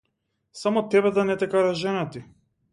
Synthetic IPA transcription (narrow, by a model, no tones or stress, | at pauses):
samɔt̪ɛbɛd̪anɛt̪ɛkaɾaʒɛnat̪i